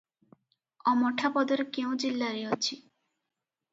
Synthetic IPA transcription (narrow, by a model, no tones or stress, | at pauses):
ɔmɔʈʰapɔd̪oɾkew̃d͡ʑilːaɾiot͡ɕʰi